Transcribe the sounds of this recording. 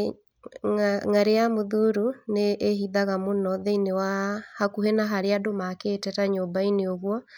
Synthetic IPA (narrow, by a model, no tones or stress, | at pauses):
ŋaɾejamoðuɾuneʔːhiðaɣamonɔðeinewahakuɦenaɦaɾeadomakeːtɛtaɲobaineoɣwɔ